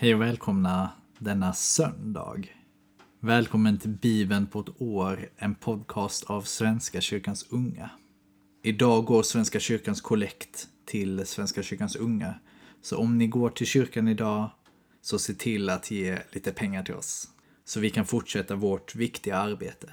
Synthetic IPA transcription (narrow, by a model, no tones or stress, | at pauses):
hɛjɔvɛːlkʰɔmna | d̪ɛnːasœnd̪ɑ̰ːɡ | vɛːlkʰɔmːənt̪ʰɪlbiːbənpʰɔt̪oːɾɛnpʰɔd̪kʰɑːst̪ʰavsvɛnskaɕʏɾkansɵŋːa̰ | ɪd̪ɑːɡoːɾsvɛnskaɕʏɾkanskʰʊlɛkt̪ʰː | ɪlsvɛnskaɕʏɾkansɵŋːa | sɔʔɔmnɪɡoːʈʰɪlɕʏɾkanɪd̪ɑː | sɔseːʈʰɪlat̪ʰjeːliːt̪əpʰɛŋːaʈʰɪlɔ̰s | sɔvɪkʰanfʊʈʂɛt̪ːavɔʈvɪkt̪ɪɡaaɾbeːt̪ʰə̥